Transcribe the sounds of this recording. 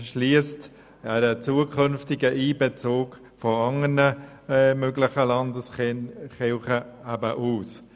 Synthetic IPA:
ʃliəst | ɛɾət͡suːəkʰʏnftɪɡəʔiːbɛt͡soːk | fɔɑŋənə | møɡlɪχəlɑndəsχɪlχəæbəʔuːs

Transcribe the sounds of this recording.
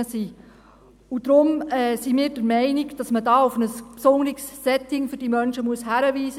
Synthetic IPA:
əsiː | ʊd̥ɾʊmɛːsimiːɾd̥əɾmɛɪnɪɡd̥ɑsmədɑːufnəspsʊŋlɪksːɛtɪŋfʏɾd̥imœnʃəmuəshæɾəviːsə

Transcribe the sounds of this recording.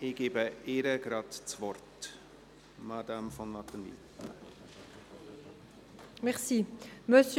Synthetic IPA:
ɪɡ̥eːbəɪɾəɡɾɑt̪t͡svɔrt | mad̪amfɔnlɑtəndḭ | mɛʁsiməs

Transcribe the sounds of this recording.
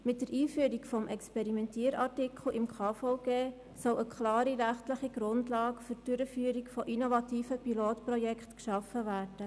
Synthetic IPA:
mɪt̚d̥əɾiːfyəɾikfɔmʔɛkspɛɾimɛntiːəɾɑrtikʰl̩ʔɪmkʰɑːfɔʊɡ̥eː | sɔləkχlɑːɾiɾæχtləχiɡ̥ɾʊndlɑːɡfʏd̥ʏɾəfyːəɾikfɔʔinovɑtiːfəpiloːtprɔjɛkχtkʃɑfəvæːɾd̥ə

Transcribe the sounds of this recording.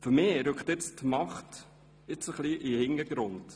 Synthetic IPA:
fʏɾmɪːɾɵkχt̪ɪt͡stmɑχt | ɪt͡səχliʔihɪnəɡ̥ɾʊnt

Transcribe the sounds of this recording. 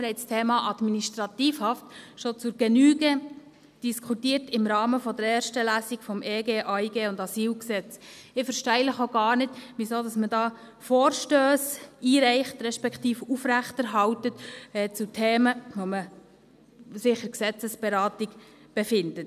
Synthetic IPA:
ɾɛɪstʰeːmɑʔɑd̥miniʃtɾɑtiːfhɑftʃot͡sʊɾɡɛnyːɡə | d̥iskʰutiːrtɪmɾɑːməfɔd̪əɾɛːrʃtəlæːsikfɔmʔeːɡeːʔɑiɡeːʊndɑsiːlksɛt͡sɪfɛɾʃtɛɪləχoɡɑːrnɪtʋisoːdɑsmədɑː | foːrʃtøːsiːɾɛɪχt̪ɾɛʃpɛkχtiːfufɾæχtəɾɦɑwtətɛt͡sutʰeːməʋomə | sɪχəɾksɛt͡səsb̥ɛɾɑːtik | b̥ɛfɪndət

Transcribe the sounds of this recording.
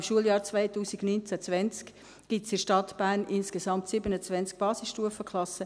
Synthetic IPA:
mʃuəljɑːɾt͡svaɪtuːsiɡnynt͡sæt͡svɛnt͡sk | ɡ̥itsɪʃtɑtb̥æːɾnʔɪnskesɑmtsɪbənət͡svɛnt͡sk̚b̥ɑːsɪsʃtuəfəkχlɑsə

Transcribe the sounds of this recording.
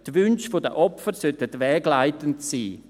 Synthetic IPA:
tʋynʃfodə̰ʔɔfəɾsœtətʋɛːɡlaɪtəntsiː

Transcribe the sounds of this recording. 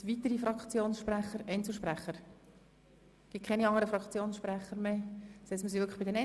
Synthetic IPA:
ʋit̪əɾifɾɑkt͡sjoːnsʃpræχəɾɛɪnt͡sl̩ˠʃpræχːəɾ | ɡ̥ɪt̚kʰɛniɑŋəɾəfɾɑkt͡sjoːnsʃpɾæχəɾmesɛsməsiʋʏkʰəχb̥ɪd̪ɛnɛ

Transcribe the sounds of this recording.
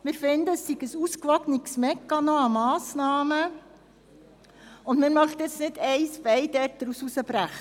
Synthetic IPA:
mɪːɾfɪnd̪əːsːiɡəsuskʋɑɡniksmɛkːɑnoɑmɑːsnɑːmə | ʊndmɪːɾmœχt̪ɪt͡snɪdɛɪsbɛɪdɛrt̚d̥̪ɾususəbɾæχ

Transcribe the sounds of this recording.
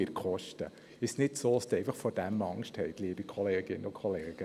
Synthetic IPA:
ɪɾkχɔʃtə | ɪʃsnɪtsoːɑsd̥̪ɛɪfɑχfɔd̥æmɑŋʃthɛɪtliːbikʰχɔleːɡ̥ɪnːəʊkʰχɔleːɡ̥ə

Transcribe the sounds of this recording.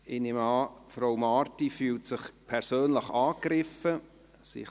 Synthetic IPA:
ɪnɪmɑfɾoʊmɑːrtifyːltsɪχpʰɛɾsøːnləχɑːkrɪfə | sɪ̰x

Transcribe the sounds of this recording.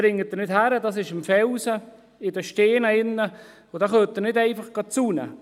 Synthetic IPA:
ɾɪŋːət̚dənɪthæɾədɑːs̬ɪʃɪmfɛlsə | ɪdəʃteːnəɪnːə | odɑːχøːtːənɪdɛɪfɑχɡ̥ɑt͡sunə̰

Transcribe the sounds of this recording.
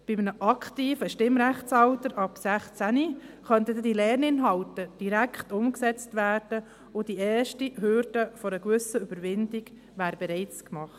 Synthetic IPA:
b̥ɪmnəʔɑkχt̪iːfəʃtɪmɾæχt͡sɑwtəɾʔɑpsæχt͡sæniχœnt̪ədɛdilɛːɾnɪnɦɑwtəd̥iɾækχt̪ʊmksɛt͡stʋæːɾd̥ə | ʊd̥iɛːʃtiɦʏɾd̥əfɔɾəɡvʏsəyb̥əɾʋɪndiɡ̥ | ʋæːɾbɛɾɛɪt͡skmɑχt

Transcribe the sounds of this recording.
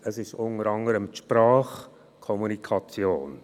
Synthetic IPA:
əsɪʃʊnəɾɑŋəɾəmʃpraːχ | kʰɔmunikʰɑt͡sjoːn

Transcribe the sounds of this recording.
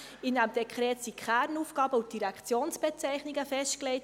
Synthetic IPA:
ɪndæmd̥̪ɛkχɾɛːtsikχæːɾnuːfɡ̥ɑːbəut̚d̥iɾækt͡sjoːnsb̥ɛt͡sɛɪχniɡəfɛʃtklɛɪt

